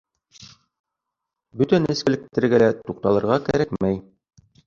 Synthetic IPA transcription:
bɵt̪ænɘ̆skɘ̆lɘ̆k̚t̪ɘ̆ɾɡælæt̪uq̚t̪ɑlˠɤ̆ɾʁɑkæɾækmæj

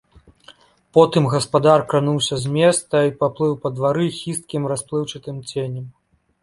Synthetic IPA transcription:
pɔt̪ɨmɣɐspad̪arkɾanuwsʲɐzʲmʲɛst̪ɐipaplˠɨwpɐd̪vaɾɨxʲist̪̚kʲimɾasplˠɨwt͡ʂɨt̪ɨmt͡sʲenʲɐm

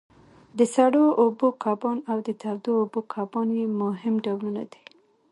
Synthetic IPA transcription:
d̪əsaɽoʔobokʰɑbɑnawd̪ət̪awd̪oobokʰɑbɑnjemʊɦɪmɖawluna̰d̪i̥

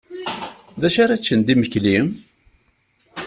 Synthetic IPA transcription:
ðæʃaɾat͡ʃːənd̪iməçlim

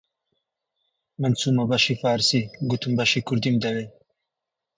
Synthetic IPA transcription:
mɐnt͡suːmɐbɐʃifaːɾsiɡut̪ʰumbɐʃikuɾd̪imd̪ɐwe

